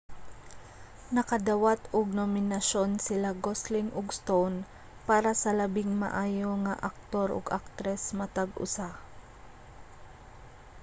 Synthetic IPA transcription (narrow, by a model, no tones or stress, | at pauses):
nɐkɐd̪awat̪ʊɡ̚nomɪnɐʃo̞nsɪlaɡoslɪŋʔʊɡst̪own | paːɾɐsɐlɐbɪŋmɐ̰ʔaːjo̞ŋaʔɐk̚t̪o̞ɾʔo̰ɡʔak̚t̪ɾɛsmɐt̪aɡʔʊ̰sa